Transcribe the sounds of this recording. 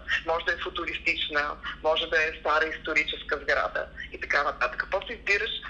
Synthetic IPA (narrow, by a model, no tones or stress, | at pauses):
mɔʒɛd̪ɐɛfʊt̪ʊɾist̪it͡ʃnəmɔʒɛd̪ɐɛst̪aɾəist̪ʊɾit͡ʃɛskəzɡɾa̰d̪ə̰it̪ɐkavəɐt̪kɐkvɔsɛizbiɾəʃ